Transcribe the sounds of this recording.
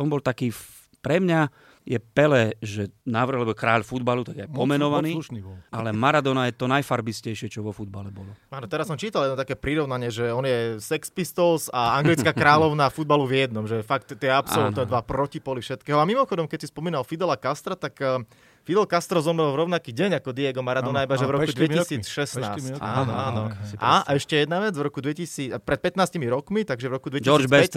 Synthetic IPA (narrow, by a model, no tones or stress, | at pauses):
ɔnbɔlt̪akiː | pɾɛmɲa | jɛpɛlɛːʒɛnaːʋr̩ɦalɛbɔkɾaːʎfud̪balut̪aɡjɛajpɔmɛnɔʋaniːunibɔʔalɛmaɾad̪ɔnajɛt̪ɔnajfaɾbiscɛjʃɪɛt͡ʃɔʋɔfud̪̚balɛbɔlɔaːnɔt̪ɛɾasɔmt͡ʃiːt̪aljɛd̪nt̪akɛːpɾiɾɔʊnaɲɪɛʒɛɔnjɛsɛkspist̪ɔlsaaŋɡɡlit͡skakɾaːlɔʊnafud̪̚baluvjɛd̪nɔmʒɛfakt̪t̪ɛapsɔlut̪nɛd̪ʋapɾɔcipɔlifʃɛt̪kɛːɦɔamimɔxɔd̪ɔmkɛc̚sispɔmiːnalfid̪ɛlakast̪ɾat̪akː | fid̪ɛlkast̪ɾɔzɔmɾɛlˠvɾɔʊnakiːɟɛɲakɔd̪iɛɡɔmaːɾad̪unaibaʒɛvɾɔkud̪ʋɛisiːt͡sʃɛsaːsaːnɔaːnɔʔaɛʃcɛjɛd̪naʋɛd͡zvɾɔkud̪ʋɛcisiːpɾɛt̪̚pɛt̪naːscimiɾɔkmit̪aɡʒɛvʋɾɔkud̪ʋɛccd͡ʒiɔibɛc